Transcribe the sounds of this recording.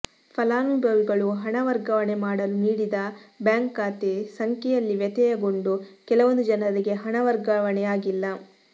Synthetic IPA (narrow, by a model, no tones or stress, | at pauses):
pʰɐlaːmibɐlɡɐɭuɦɐɳɐʋɐɾɡɐʋɐɳemaːɽɐluniːɽid̪ɐbjaːŋkaːt̪esɐŋkɛjɐlːiʋjɛt̪ɛjɐɡo̞ɳɖukɛlɐʋond̪ud͡ʒɐnɐɾiɡe̞ɦɐɳɐʋɐɾɡɐʋɐnɛjaːɡilːɐ